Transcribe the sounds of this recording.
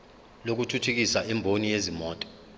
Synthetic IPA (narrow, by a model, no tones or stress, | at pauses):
lok̬utʰutʰuk̬isaʔɛmbʱonijezimɔːtʼɔ̥